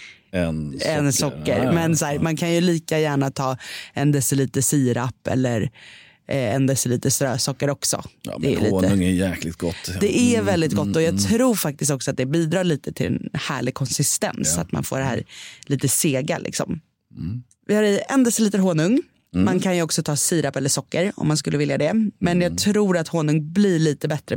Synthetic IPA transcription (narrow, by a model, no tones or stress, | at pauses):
ɛnɛnsɔkːə̰ɾmɛnsæːɾmankʰanjɵliːkajæːɳat̪ʰɑːɛnd̪ɛsɛliːt̪əsiːɾapːɛ̰lːəɾ | ʔɛnd̪asɛliːt̪əst̪ɾœːsɔkːəɾɔksɔ̰d̪ɛ̰ːlḭːt̪ːəŋæjæːklɪt̪̚ɡɔt̪ːd̪ɛʔævɛld̪ɪt̪̚ɡɔt̪ːɔjɑːɡt̪ʰɾuːɾfak̚t̪ɪst̪ɔksɔat̪̚d̪ɛbiːd̪ɾɑːɭiːt̪ət̪ʰɪlɛ̰nhæ̰ːɭɪɡ̚kʰɔnsɪst̪ɛ̰nsa̰t̪ma̰nfo̰ːɖɛɦæ̰ːɾliːt̪əseːɡa̰lʔɪ̰ksɔ̰m | vɪhaɾɛɛnd̪ɾasɛliːt̪əɦoːnɵŋ | mankʰanjɵɔksɔt̪ʰɑːsiːɾapɛlːəʂɔkːəɾɔ̰mːans̬kɵlːəvɪljad̪ɛmɛnjɑːɡ̚t̪ʰɾuːɾat̪hoːnɵŋblɪɭiːt̪əbɛt̪ɾə